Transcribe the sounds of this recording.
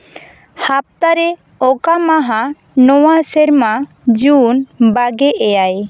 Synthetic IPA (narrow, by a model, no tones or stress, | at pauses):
hap̚t̪aɾɛ | ɔkamaɦa | nɔwasɛɾma | d͡ʒunbaɡɛʔɛjaj